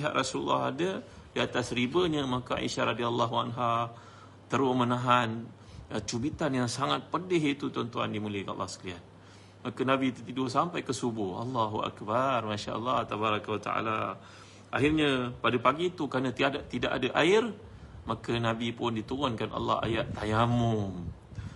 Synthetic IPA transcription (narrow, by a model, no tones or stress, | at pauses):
ɦa̰ʔrʔasulṵlːa̰ɦa̰də | diat̪asɾibəɲəmakaa̰ḭʃaɾadialːaɦuanɦa | t̪əɾʊmənaɦan | ət͡ʃubit̪anjaŋsaŋat̪̚pədɪɦit̪ut̪ɔnt̪ua̰ndimuləka̰lːɑ̰hskəlian | makənabit̪ut̪idosampajkəsubʊhɑ̰lːaɦuʔa̰kbarmaʃa̰ʔə̰lːɑht̪abaɾakawat̪a̰a̰la̰ | ʔa̰ɦɪrɲapadapaɡit̪ukɾanat̪iadat̪idaʔadaʔaɪr | makənãbipʊndit̪uɣʊnkanʔa̰lːɑ̰ha̰jaʔt̪ajamʊm